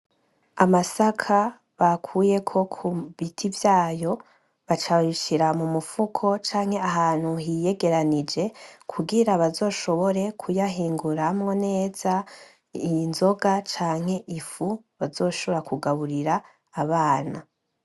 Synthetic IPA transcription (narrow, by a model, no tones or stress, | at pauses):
amasakʰa | βakʰuːje̞kʰo̞kʰuβitʰivjaːjo̞ | βat͡ʃaiʃiɾamumufukʰo̞t͡ʃaːŋ̥he̞aɦaːn̥huɦije̞ɡe̞ɾanid͡ʒe̞kʰuɡiɾaβazo̞ːʃo̞βo̞ɾe̞kʰujaɦiːŋɡuɾamŋo̞ne̞ːz̥a | inzo̞ɡat͡ʃaːŋ̥he̞ʔifu | βazo̞ːʃo̞βoɾakʰuɡaβuɾiɾaː | βaːna